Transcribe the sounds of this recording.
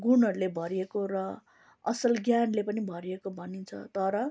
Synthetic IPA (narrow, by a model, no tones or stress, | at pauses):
ɡunʌɾulebʱʌɾiekoɾʌ | ʌsʌlɡjanlepʌnibʱʌɾiekobʱʌnint͡sʰʌ̰t̪ʌɾʌ